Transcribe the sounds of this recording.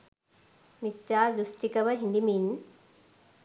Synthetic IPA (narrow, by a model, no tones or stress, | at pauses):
mitːaːd̪ɾusʈikɐʋɐɦind̪imiːn